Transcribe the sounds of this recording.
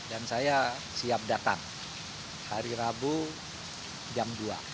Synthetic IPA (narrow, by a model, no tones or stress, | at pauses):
dansaja | siap̚dat̪a̰ŋ | haɾiɾabu | d͡ʒamdua̰